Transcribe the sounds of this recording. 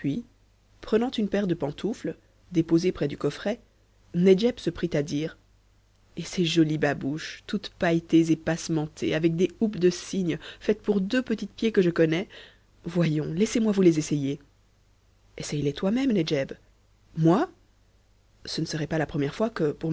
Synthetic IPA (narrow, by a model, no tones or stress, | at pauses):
pɥi | pχənɑ̃t̪ynpɛʁd̪əpɑ̃t̪ʰufl | d̪epozepχɛd̪ykɔfχɛ | ned͡ʒɛbsəpχit̪ad̪iːʁ | eseʒɔlibabuʃt̪ut̪pajt̪ezepasmɑ̃t̪ʰḛavɛk̚d̪eupd̪əsiɲfɛt̪puʁd̪øpət̪it̪pjekəʒəkɔnɛ | vwajɔ̃lɛsemwavulezeseje | ɛsɛjlɛt̪wamɛmned͡ʒɛb | mwa | sənəsəʁɛpalapχəmjɛʁfwakəpuʁm